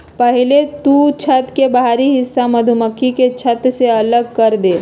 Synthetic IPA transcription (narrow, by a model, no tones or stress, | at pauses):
pəɦɪlet̪ut͡ʃʰət̪kebəɦaɾiɦɪsːaməd̪ʱuməkʰːiket͡ʃʰət̪seɐləɡkəɾd̪e